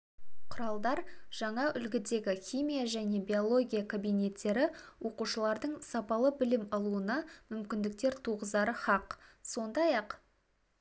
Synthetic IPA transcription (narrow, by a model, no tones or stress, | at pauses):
qʰʊɾɑlˠd̪ɑɾʒ̥ɑɴɑʔʏlɡʲɪd̪e̞ɡʲɪxʲijmʲijaʒæne̞bʲio̞lˠo̞ɡʲijakʰabijne̞t̪ːe̞ɾɪwʔo̞quʃəlˠɑɾd̪əɴsɑpɑlˠəbɪlɪmɑlˠuənɑmʏmkʲɪnd̪ɪk̚t̪e̞ɾt̪ʰuʁəzd̪ɑɾəχɑqso̞nd̪ɑjɑq